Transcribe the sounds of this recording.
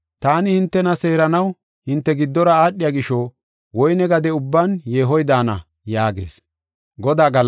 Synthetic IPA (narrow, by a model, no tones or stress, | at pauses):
t̪aːnɪhɪnt̪ːɛnɐse̞ːɾɐnɐw | hɪnt̪ːɛɡɪd̪ːɔɾɐaːɗːɪjaɡɪʃo | wɔjnɛɡɐd̪ɛʊbːanjeːɦɔjd̪aːnɐ̰ | jaːɡe̞̰ːs | ɡɔd̪aːɡɐl